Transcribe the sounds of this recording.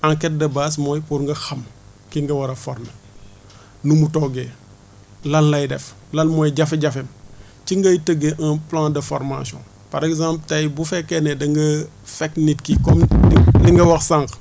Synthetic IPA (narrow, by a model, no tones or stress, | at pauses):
ãŋkɛt̚dɐbaːs̬mɔjpuɾŋɡɐxɐm | kiŋɡɐwɐɾɐfɔɾmə | numutɔɡe | lɐllɐjdɛf | lɐlmɔːjɟɐfeɟɐfɛm | t͡ʃiŋɡɐjtəɡeʔãplãːdəfɔ̰ɾma̰sɔ̰̃ | pɐɾɛkzãmpltɐjbufɛkːɛnɛdɐŋɡɐ | fɛknitkikɔmliŋɡɐwɐxsaŋk